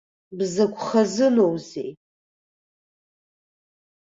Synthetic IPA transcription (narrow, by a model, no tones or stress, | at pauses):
bzɐkʷʰʼχɐzɨlowzeː